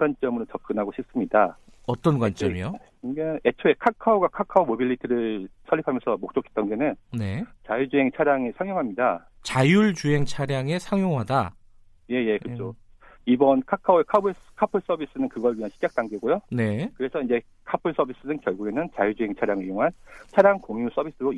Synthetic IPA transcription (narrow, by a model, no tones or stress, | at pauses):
ɡwant͡ɕ͈ʌmɯɾot͡ɕʌp̚k͈ɯnɦaɡoɕʰip̚s͈ɯmɲida | ʌt͈ʌnɡwant͡ɕ͈ʌmijo | ɡeet͡ɕʰoe̞kʰakʰaoɡakʰakʰaomobiʎːitʰiɾɯɭsʰʌɭːipʰamjʌnsʰʌmok̚t͡ɕ͈okʰe̥t͈ʌnɡenɯnne̞t͡ɕajuɭd͡ʑuɦe̞ŋt͡ɕʰaɾjaŋesʰaŋjoŋɦamɲida | t͡ɕajuɭt͡ɕuɦe̞ŋt͡ɕʰaɾjaŋe̞sʰaŋjoŋɦada | je̞je̞kɯd͡ʑo | ibʌnkʰakʰaoekʰabɯskʰapʰɯɭs͈ʌbis͈ɯnɯnkɯɡʌɭɥiɦanɕʰid͡ʑak̚t͈aŋɡeɡojone̞kɯɾe̞sʰʌiɲd͡ʑe̞ | kʰapʰɯɭs͈ʌbis͈ɯnɯnkjʌɭɡuɡe̞nɯnt͡ɕajud͡ʑuɦe̞ŋt͡ɕʰaɾjaŋɯɭjoŋɦant͡ɕʰaɾjaŋkoŋjus͈ʌbis͈ɯɾo